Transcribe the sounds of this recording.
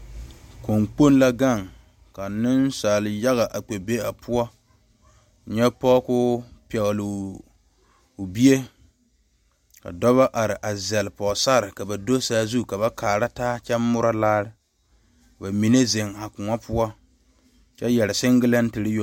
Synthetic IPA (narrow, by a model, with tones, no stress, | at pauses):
ko˨ŋk͡po˦n˦la˦ɡa˦˨ŋ | ka˨nɪ˦nsa˨lja˦ɣa˨ʔa˨k͡pe˨be˦a˨pʰʊ˦ɔ˦˨ | ɲɛ˦pɔ˦kʊ˦pɛ˨ɣlɪ˨ | ʊ˨bi˦e˦ | ka̰˨dɔ˦βa˦ʔa˨ɾɪ˨ʔa˨zɛ˨lpɔː˨sa˦˨ɾɪ˨ka˨ba˨do˦saː˦zu˦ka˨βa˦kʰaː˨ɾa˦taː˦t͡ʃɛ˦mːʊ˦ɾa˦laː˦ɾɪ˦˨ | ba˨mi˨ne˦ze˨ŋa˨kʊ˨ŋa˦pʰʊ˦ɔ˦ | t͡ʃɛ˦jɛ˨ɾɪ˨sɪ˦ŋɡɪ˦la˦n˦tɪ˨ɾɪ˦jo˨